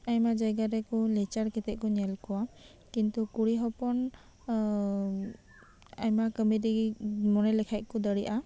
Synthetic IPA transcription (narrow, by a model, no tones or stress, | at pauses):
ajmad͡ʒajɡaɾɛkɔlɛt͡ʃaɾkɛt̪ɛʔ̚kɔɲɛlkɔwa | kint̪ukuɽiɦɔpɔn | a̰jmakəmiɾimɔnɛlɛkʰaj̚kɔd̪əɽiʔa